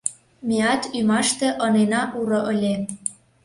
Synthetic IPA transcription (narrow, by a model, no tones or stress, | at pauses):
mʲeɑt̪ymɑʃt̪ĕʔɤnenɑʔuɾɤ̆ʔəlʲe